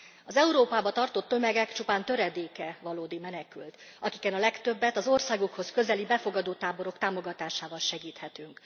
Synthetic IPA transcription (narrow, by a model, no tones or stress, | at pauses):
ɒzɛuɾoːpaːbɒt̪ɒrt̪o̞t̪ːø̞mɛɡɛkt͡ʃupaːnt̪ø̞ɾɛd̪eːkɛvɒloːd̪imɛnɛkylt̪ | ɒkikɛnɒlɛkt̪øbːɛt̪ɒzo̞rsaːɡukho̞skø̞zɛlibɛfo̞ɡɒd̪oːt̪aːboɾo̞kt̪aːmo̞ɡɒt̪aːʃaːvɒlʃɛɡiːt̪hɛt̪yŋk